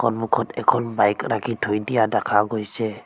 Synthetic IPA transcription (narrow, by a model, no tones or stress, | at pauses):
kɔnmukʰɔtɛkʰɔnbajkɾakʰitʰojdijadakʰaɡojsɛ